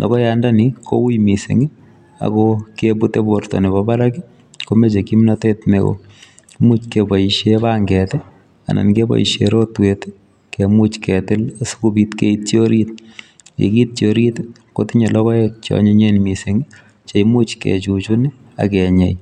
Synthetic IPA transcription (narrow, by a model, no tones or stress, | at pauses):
lʔɔ̰kɔjandanikʰo̰wujmisɪ̰ŋi | a̰kɔkebutebortɔ̰nebabaɾaki | komet͡ʃekimnatetneko̰ | mut͡ʃkebɔiʃebaŋɡɛtɛ | a̰nʔa̰nkebɔ̰ḭʃeɾotwet | kemut͡ʃkɛtɪlsu̥kubitkeit̚t͡ʃjoɾit | kḛkit̚t͡ʃoɾitkotɪɲelɔkɔɛt͡ʃɔ̰ɲeɲenmisɪŋi | t͡ʃeimut͡ʃkḛt͡ʃut͡ʃuni | a̰kɛɲaj